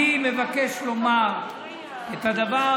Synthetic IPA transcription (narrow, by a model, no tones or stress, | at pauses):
imevakeʃlo̞maʁ | et̪ad̪ava